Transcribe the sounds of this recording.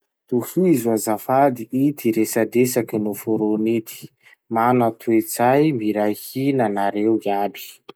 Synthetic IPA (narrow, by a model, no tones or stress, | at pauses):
t̪uhizuazafad̪iʔit̪iɾesad̪esakinufuɾonit̪i̥ | manat̪ʰuet͡sajmiɾajhinanaɾewiabi̥